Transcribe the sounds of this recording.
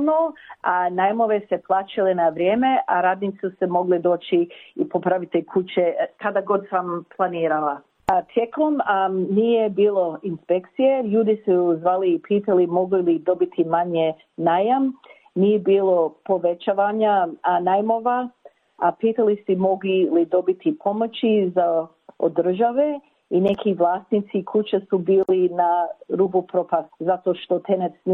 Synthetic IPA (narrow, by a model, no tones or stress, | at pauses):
noanajmoʋeseplˠaːt͡ʃilenaʋɾjeːmeʔaɾaːd̪nit̪susemo̞ɡlid̪oːt͡ʃiipopɾaʋit̪ikʰut͡ɕekad̪aɡo̞d̪samplˠaniːɾalˠa | t̪ʰjeklˠomnijebiːlˠoinspekt̪sijeʎuːd̪isuzʋaːliːpʰiːt̪alimo̞ɡlilid̪o̞bit̪ʰimaɲe | najam | nijebiːlˠopoʋet͡ʃaʋaɲanajmoʋa | apiːt̪alisimoɡlilid̪o̞bit̪ʰipʰo̞mot͡ʃiza | od̪r̩ʒaʋe | inekʰiʋlˠaːst̪nit̪sikʰut͡ʃasubiːlinaɾubupɾopast̪zat̪oʃt̪ot̪ʰenet̪sn